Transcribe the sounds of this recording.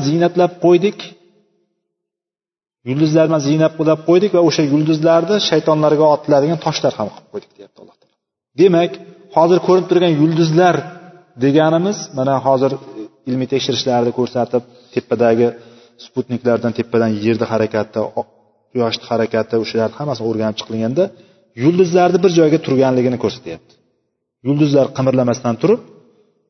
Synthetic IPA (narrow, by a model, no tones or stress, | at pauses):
zɪjnat̪lap̚qʰojd̪ɪkʲ | jʊlˠd̪ʊzlaɾmanzɪjnap̚qolap̚qʰojd̪ɪkʲvaoʃajʊlˠd̪ʊzlaɾd̪ɪʃajt̪ʰɒnlaɾɡʲaɒt̪ʰɪlad̪ɪɡʲant̪ʰɒʃlaɾhamqʰɨlˠɨp̚qʰojd̪ɪk̚ʲd̪ejap̚t̪ʰlˠːɑht̪ʰɑpa | d̪e̞makʲ | hɒzɪɾkʰɵɾɪɪp̚t̪ʰʊɾɡʲanjʊlˠd̪ʊzlaɾ | d̪e̞ɡʲanɪmɪzmanaɦɒzɪɾɪlmit̪ʰekʃɪɾɪʃlaɾɪd̪ɪkʰɵɾsat̪ʰɪp̚ | t̪ʰe̞pʰːad̪aɡʲɪ | sput̪nikʲlaɾd̪ant̪ʰe̞pːad̪anje̞ɾd̪ɪɦaɾakʲat̪ʰːɪ | jɒʃt̪ɪ̥haɾakʲʰat̪ʰɪʊʃalaɾnɪhamːasɪnoɾɡʲanɪp̚t͡ʃʰɨ̥qʰɨlˠŋɡʲand̪a | jʊlˠd̪ʊzlaɾd̪ɪbɪɾd͡ʒɒjɡʲat̪ʰʊɾɡʲanlɪɡʲɪnɪkʰɵɾsḁt̪ʰajap̚t̪ʰɪ̥ | jʊlˠd̪ʊzlaɾqʰɨmɾlamast̪ant̪ʰʊɾɪp̚